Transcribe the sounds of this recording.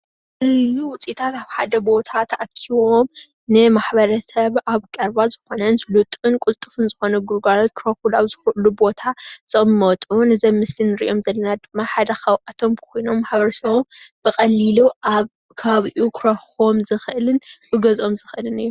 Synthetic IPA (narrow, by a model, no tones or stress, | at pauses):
kɨlluwʊt͡sʼit̪ʰat̪aβħad̪ɐbo̞t̪ʰat̪ʰɐʔakʰiβo̞m | nɨmaħbɐɾɐsɐβaβkʼɐɾbazɨxo̞nɐnzlut̪ʼɨnkʼult̪ʼɨfɨnzɨxo̞nɐɡuɾɡalot̪kʰɾoxulaβzɨxʔlubo̞t̪ʰaz̥ɐmːɐt̪ʼunɨzɐmmɨslinːɨɾḭʔo̞mzɐlːɐnad̪ɨmːaħad̪ɐxɐwʔat̪ʰo̞mbkʰʷo̞jno̞mːaħbɐɾɐsɐβomb̥ɨxʼɐlːiluʔaβ | kʰɐβaβiʔukʰɾoxomzɨxɨʔɨlɨnbɨɡɐzo̞mzɨxʔɨlɨnɨjːu